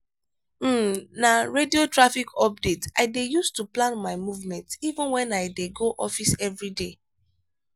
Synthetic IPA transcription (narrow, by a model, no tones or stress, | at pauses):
m̩naɹediotɹafikʰɔp̚detaɪdejustuplãnmaɪmuvmɛ̃ntivə̃nwɛ̃naɪdeɡoʔɔfisɛvɹide